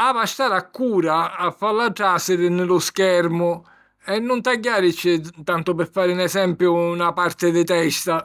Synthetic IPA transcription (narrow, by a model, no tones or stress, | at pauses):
avaʃt̪aːɾakːuːɾaːfːalːaɖaːsɪɾɪnɪlʊskɛɾmʊ | ɛnːʊnt̪aɟːaːɾɪt͡ʃːɪt̪ant̪ʊpɪɾfːaːɾɪnɛsɛmpjʊːnapart̪ɪd̪ɪt̪ɛst̪a